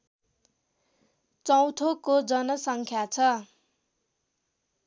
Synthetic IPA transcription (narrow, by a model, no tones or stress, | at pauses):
t͡sʌw̃t̪ʰokod͡zʌnʌsʌŋkʰjat͡sʰʌ